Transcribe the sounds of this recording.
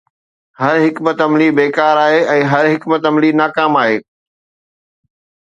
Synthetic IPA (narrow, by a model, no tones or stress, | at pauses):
ɦɐɾɦɪkmət̪ɐmlibeːkaːɾaːɦeɛ̃ːɦɐɾɦɪkmət̪ɐmlinaːkaːmaːɦeː